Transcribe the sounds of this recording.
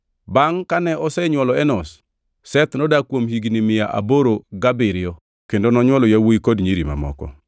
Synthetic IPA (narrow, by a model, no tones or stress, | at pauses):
baŋkanɛɔsɛɲwɔlɔɛnɔs | sɛt̪nɔdakwomhiɡnimɪjaʔa̰boɾoɡabɪɾɪɔ | kendonɔɲwɔlɔjawoikodɲiɾima̰mɔ̰kɔ̰